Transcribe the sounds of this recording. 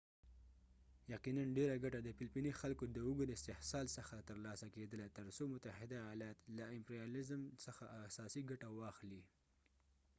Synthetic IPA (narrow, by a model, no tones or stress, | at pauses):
jaqinanɖeɾaɡaʈad̪əpɪlpinixalkod̪əʊɡəd̪ɪst̪ɪhsɑlsəxat̪əɾlɑsaked̪əlat̪əɾsomʊt̪ahɪd̪ajɑlɑt̪laɪmpɾjɑlɪzmsəxaʔasɑsiɡaʈawɑxli